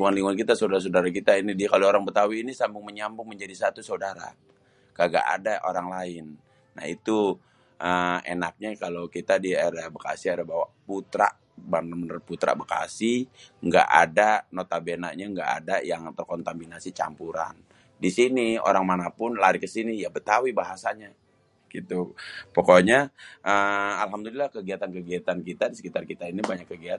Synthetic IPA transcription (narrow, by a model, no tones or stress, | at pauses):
liŋɡuŋanliŋɡuŋankit̪asawdaɾas̬aodaɾak̬it̪ainidikaloːɾaŋbət̪awiːnisambʊŋməɲambʊŋməɲd͡ʒadisat̪usaudaɾa̰ | kaɡa̰ʔa̰daʔoɾaŋlaɪnː | a̰hit̪u | ʔəḛnak̚ɲakalokit̪adiadabəka̰siadahbawaʔput̪ɾa̰ʔ | baəmənəput̪ɾa̰bəka̰sihŋɡa̰ʔa̰danot̪abena̰ʔɲaŋɡa̰ʔa̰dajaŋt̪ərkont̪aminasit͡ʃa̰mpuɾa̰n | disinio̰ɾaŋmanapʊnlaɾikəsinijabət̪awibaɦasaɲa | ɡ̥it̪upokoɲaʔəalɦamdulilahkəɡiat̪ankəɡiat̪ankit̪adisə̥kit̪arkit̪ainibaɲakːəɡiat̪